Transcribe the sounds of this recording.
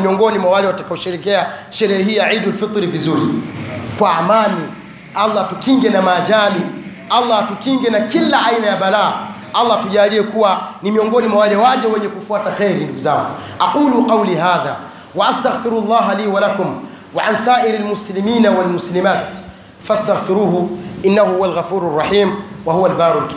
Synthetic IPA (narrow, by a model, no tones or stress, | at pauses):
miɔŋɡɔnimwawalɛwatakaɔʃiɾɛkɛaʃɛɾɛhɛɦiːjaʕidulfit̪ˤɾivizuɾḭkwaamani | ʔalˠˤːatukiŋɡɛnamaːʄali | alˠˤːɑatukiŋɡɛnakilaʔainajaɓalaː | alˤːatuʄaːliɛkuwanimiɔŋɡɔnimwawalɛwaʄɛwɛɲɛkufuataxɛɾinduɡuzaːŋɡuʔaquːluqɑwliɦaːðaː | waʔast̪aɣfiɾulˤːɑːɦaliːwalakum | waʕansaːʔiɾalmuslimiːnawalmuslimaːt̪ | fast̪aɣfiɾuːhuʔinːahuhuwalɣafuːɾarˤːɑħiːmwahuwalbaːɾulk